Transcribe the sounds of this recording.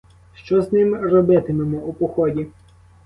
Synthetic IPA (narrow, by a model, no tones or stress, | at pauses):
ʃt͡ʃɔznɪmrɔbɪt̪ɪmemʊʊpɔxɔdʲi